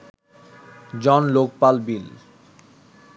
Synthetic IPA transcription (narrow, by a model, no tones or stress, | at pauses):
d͡ʑɔnlok̚palbil